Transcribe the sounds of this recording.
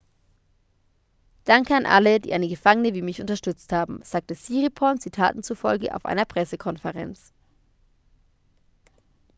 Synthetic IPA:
d̥aŋkəanʔa̰lədḭːʔaɪnəɡəfaŋənəviːmɪçʔʊ̰ntɐʃtʏt͡sthaːbm̩z̥aːk̚təsiːʁipʰɔnt͡sitʰa̰ːtn̩t͡sufɔlɡə̰ʔa̰ʊfʔa̰ɪnɐpʁ̥ɛsəkʰɔnfəʁɛ̰nt͡s

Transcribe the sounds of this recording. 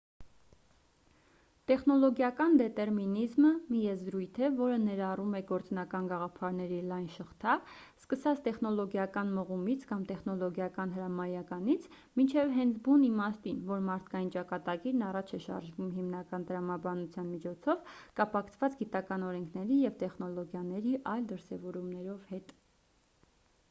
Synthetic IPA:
t̪ɛχnɔlɔɡjɑkɑnd̪ɛt̪ɛɾminizməmijɛzɾujt̪ʰɛvɔɾənɛɾɑrumɛɡɔɾt͡snɑkɑnɡɑʁɑpʰɑɾnɛɾilɑjnʃəχt̪ʰɑskəsɑt͡st̪ɛχnɔlɔɡjɑkɑnməʁumit͡sʰkɑmt̪ɛχnɔlɔɡjɑkɑnɦəɾɑmɑjɑkɑnit͡sʰ | mint͡ʃʰɛvɦɛnt͡sʰbunimɑst̪invɔɾmɑɾt̪ʰkɑjint͡ʃɑkɑt̪ɑɡiɾnɑrɑt͡ʃʰɛʃɑ̰ɾʒvumɦimnɑkɑnt̪əɾɑmɑbɑnut͡sʰjɑnmit͡ʃʰɔt͡sʰɔvkɑpɑkʰt͡sʰvɑt͡sɡit̪ɑkɑnɔɾɛŋkʰnɛɾijɛvt̪ɛχnɔlɔɡjɑnɛɾiʔɑjld̪əɾsɛvɔɾumnɛɾɔvhɛt̪

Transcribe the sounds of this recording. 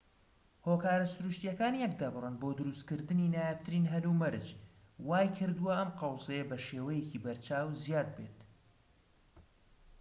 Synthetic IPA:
hoːkaːɾɐsʊɾuʃt̪jɛkaːnjɛk̚d̪abɨrˤənbod̪ɨɾust̪kɨɾd̪ɨninaːjap̚t̪ʰɨɾiːnɦɐlumɐɾd͡ʒ | waːjkʰɨɾd̪uwɐʔɐmqɑwsejɐbɐʃeːwɛjecibɐɾt͡ʃʰaːwzijaːd̪̚bet̪

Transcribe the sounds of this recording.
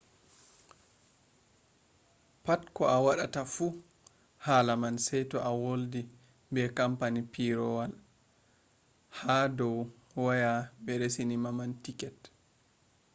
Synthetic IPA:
patkɔʔawaɗatafu | haːlamansɛjtɔʔawoldi | bɛkampanipiɾɔwal | hadɔw | wajabɛɾesinimamantikɛt

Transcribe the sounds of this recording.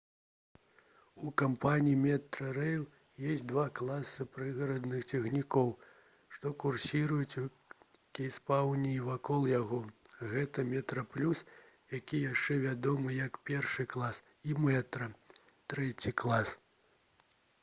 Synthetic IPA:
ukampanʲijimʲɛt̪ɾɐɾɛjlˠ | jɛsʲtʲd̪vaklˠasɨpɾɨɣɐɾɐd̪nɨxt͡sʲɛɣnʲikɔw | ʂt̪ɔkursʲiɾujut͡sʲ | kʲijspawnʲiːvakɔlˠjaɣɔɣɛt̪ɐmʲɛt̪ɾɐplʲus | jakʲijaʂt͡ʂɛvʲad̪ɔmɨjɐkpʲɛrʂɨklˠas | imɛt̪ɾɐ | t̪ɾɛt͡sʲiklˠas

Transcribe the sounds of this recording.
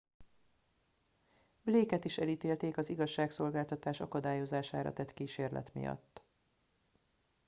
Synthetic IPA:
bleːkɛt̪iʃɛliːt̪eːlt̪eːkɒziɡɒʃːaːkso̞lɡaːlt̪ɒt̪aːʃɒkɒd̪aːjo̞zaːʃa̰ːɾɒ̰t̪ɛt̪kiːʃeːrlʔɛ̰t̪mḭjɒ̰t̪ː

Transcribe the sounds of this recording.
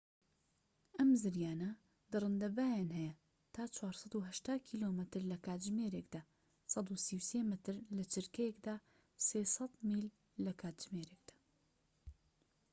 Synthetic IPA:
ʔɐmzɨɾjaːnɐ | d̪ɨrˤɨnd̪ɐbaːjaːnɦɛjɐ | t̪ʰaːt͡ʃʰwaːɾsˤɑd̪uɦɐʃt̪aːkʰiːlomɨt̪ɨɾlɐkaːt̪ʒmeːɾekd̪aː | sɑd̪usiwseːmɨt̪ʰɨɾlɐt͡ʃɨɾkɐjekd̪aː | seːsɐt̪miːlː | ɐkʰaːt̪ʒ̥meːɾeːk̚d̪̥ḁː

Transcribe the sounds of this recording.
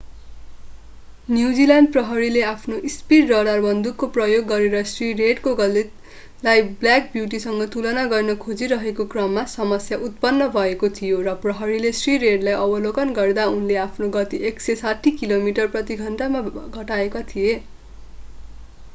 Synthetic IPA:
njuwd͡zilanɖprʌɦʌɾileapʰnoʔispirːʌɽarbʌnd̪ukːoprʌjoɡːʌɾeɾʌsrireɖkoɡʌle | lajblak̚bjuʈ̬isʌŋɡʌt̪ulʌnaɡʌrnʌkʰod͡ziɾʌɦekokrʌmːasʌmʌsjaʔut̪̚pʌnːʌbʱʌekot̪ʰijorʌprʌɦʌɾilesriɾeɖlajʌbʌlokʌnɡʌrd̪aunleapʰnoɡʌt̪ieksesaʈʰikilomiʈʌrprʌt̪iɡʱʌnʈamaɡʱʌʈaekat̪ʰije

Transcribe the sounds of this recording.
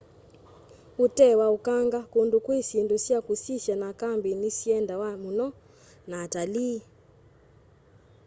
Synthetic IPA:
utɛwaukaŋɡakundukwisindusiakusiʃjanakambinisiɛndawamunɔ | naːtali

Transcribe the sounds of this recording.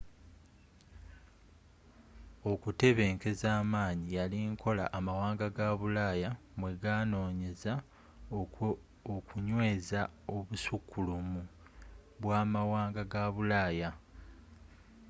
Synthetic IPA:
o̞kute̞βe̞ːŋke̞zaːmaːɲijaliŋkʰo̞la̰ʔamawaːŋɡaɡaβulaːjamweɡaːno̞ːɲe̞za | okuɲwe̞ːzao̞βusukʰːulumu | βwaːmawaːŋɡaɡaβulaːja

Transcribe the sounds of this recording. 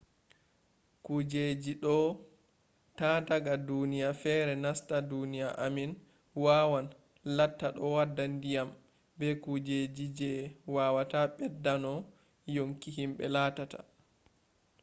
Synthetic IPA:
kud͡ʒed͡ʒiɗɔ | tadaɡadunijafɛɾɛnastadunijaʔamin | waːwan | latːaɗɔwadːandijam | bɛkud͡ʒed͡ʒid͡ʒɛwawataɓɛdːanɔ | joŋkiɦimɓɛlaːtata̰

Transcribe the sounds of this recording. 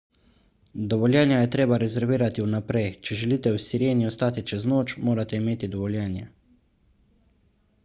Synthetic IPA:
d̪ɔʋɔljɛːnjajɛt̪ɾeːbaɾɛzɛɾʋiːɾat̪iwnapɾɛjt͡ʃɛʒɛliːt̪ɛwsiɾeːniɔst̪aːt̪it͡ʃɛznoːt͡ʃmoːɾat̪ɛimeːt̪id̪ɔʋɔljɛːnjɛ̰

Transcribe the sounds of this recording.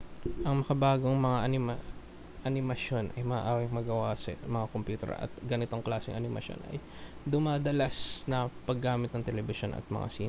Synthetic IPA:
ʔɐŋmɐkɐbaːɡoŋmɐŋaʔɐnɪm | ʔɐnɪmɐʃo̞nʔɐjmɐʔaːwɐŋmɐɡɐwasɐ̰mɐŋakompjuːt̪ɛ̰ɹɐ̰t̪̚ɡɐnɪt̪o̞ŋklaːsɪ̰ŋʔɐnɪmɐ̰ʃjo̞̰nʔɐ̰j | d̪ʊmaːd̪ɐlasnɐpɐɡːaːmɪt̪̚nɐŋt̪ɛlɛbɪʃo̞nɐ̰t̪̚mɐ̰ŋa̰siːn

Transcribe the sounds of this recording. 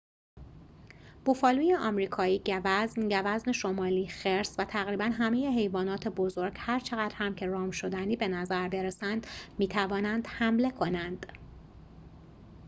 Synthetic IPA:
b̥ufɒːlujeʔɒːmɾiːkʰɒːiːɟævæznɟævæzneʃomɒːliːxeɾsvæt̪ʰæɣɾiːbænɦæmeje̞ɦe̞jvɒːnɒːt̪ʰe̞bo̞zoɾɡ̥hæɾt͡ʃʰe̞ɣæd̪ɾhæmcʰe̞ɾɒːmʃo̞d̪æniːbe̞næzæɾbe̞ɾesænd̪̥miːt̪ʰævɒːnænd̪̥hæmle̞kʰo̞nænd̪̥

